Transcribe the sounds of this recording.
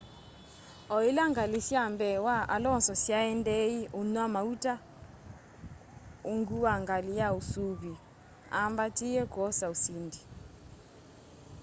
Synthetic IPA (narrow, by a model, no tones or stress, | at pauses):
ɔilaŋɡalisjambɛwaʔalɔnsɔsjaɛndeiʔunwamautʼa | uŋɡuwaŋɡalijausuβi | a̰mbatʼijɛɡ̥ɔsausiːndi